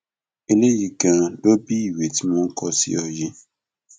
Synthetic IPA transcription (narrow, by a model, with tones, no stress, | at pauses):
e˨ne˦ji˨ɡã˨do˦bi˦˨we˨ti˨˦mɔ̃˦ŋ̩˦kɔ˦sḭ˦ɔ˨ji˦